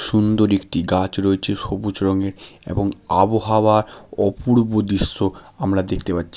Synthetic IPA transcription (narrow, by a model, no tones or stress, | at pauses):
ʃund̪oɾek̚ʈiɡat͡ɕɾoet͡ɕʰeʃobut͡ɕɾoŋeɾḛboŋaboɦawaɾɔpuɾbod̪iʃːoamɾad̪ek̚ʰt̪epatːɕʰi̥